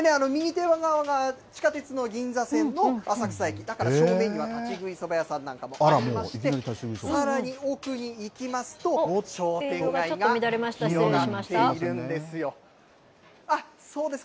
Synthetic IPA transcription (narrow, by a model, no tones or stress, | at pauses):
neano̞mʲiɲ̟it̪e̞βaɡaβaɡat͡ɕi̥kat̪e̞t͡sɨno̞ɡʲĩnd͡zasẽ̞nːo̞asakɯ̟̥saikʲid̪akaɾaɕokɯmẽ̞ɲ̟ːiβat̪at͡ɕiɡɯ̟iso̞bajasãnːãŋkamo̞ʔaɾaiomaɕiik̪ʲeaɾit̪aiɡɯisossaɾaɲ̟iokɯ̟ɲ̟iːkʲimasɨ̥t̪o̞ɕo̞ːt̪ẽ̞ɡaioɡamit̪aɾemaɕjoae̞iɾɯ̟̃nd̪e̞sɨjo̞ | a | so̞ːd̪e̞sɨ̥ka